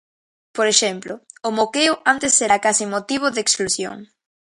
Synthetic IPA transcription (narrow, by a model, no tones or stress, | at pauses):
poɾeʃɛmploʊmokeʊʔant̪esːeɾakasimot̪iβ̞oðeksklusjo̰ŋ